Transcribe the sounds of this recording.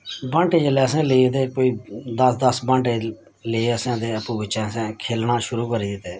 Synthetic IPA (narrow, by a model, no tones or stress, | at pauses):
bãːɳʈeːd͡ʒəlɛːsẽːleid̪eːkoːiːd̪əsd̪əsbãːɳʈeː | leəsãːd̪eːəpũːbɪt͡ʃɛ̃ːsẽːkʰeːlnaːʃʊɾuːkəɾiːt̪eː